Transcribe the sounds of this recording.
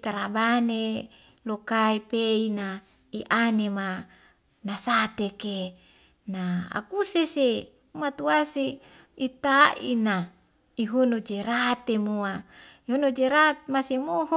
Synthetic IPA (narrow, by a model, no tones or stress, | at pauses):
t̪aɾabane | lokaipeina | iʔanema | nasat̪eke | naa̰kusese | mat̪uase | it̪aʔḭna | iɦunod͡ʒeɾat̪emuaiɦonod͡ʒeɾat̪̚masemoɦ